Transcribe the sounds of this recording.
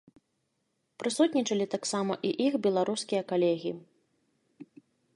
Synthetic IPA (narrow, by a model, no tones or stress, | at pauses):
pɾɨsut̪ʲnʲit͡ʂɐlʲit̪aksamɐ̰ʔiʔixbʲɛlˠaɾuskʲijɐkalʲɛɣʲi